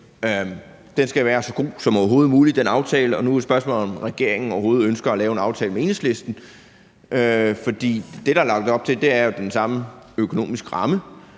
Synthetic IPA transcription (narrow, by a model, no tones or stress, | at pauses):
d̥ensɡ̥æʋæːɐsɒ̽ɡ̥o̝̰ːsɒ̽mɒɐɦo̝ːð̞̩ˠmuːlid̥enɑ̈ʊt͡sʰɛːləɒ̽nusb̥ɶɐsmɔ̰ːlð̩ˠɒ̽mʁɛɡ̥e̝ɐe̝ŋn̩ɒʊɐɦo̝ːð̩ˠønsɡ̥ɐɒlɛːʊe̝nɑ̈ʊt͡sʰɛːlmee̝̰nsle̝sd̥n̩ | ʔøfɒ̽d̥ḭːd̥e̝ɾɑ̈ælɑ̈ɡ̥d̥̩ˠɒ̽b̥̚t͡sʰe̝ld̥e̝æɐjo̝d̥ensɑ̈məøkʰo̝no̝̰ːmisɡ̥əʁɑ̈mə